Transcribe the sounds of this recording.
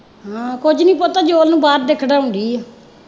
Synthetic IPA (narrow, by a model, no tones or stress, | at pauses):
ɦãːkʊd͡ʒnĩːpoːt̪aːd͡ʒoːlnũːbaːɾd̪eːkʰɖaːɦʊɳɖ̪iːɛː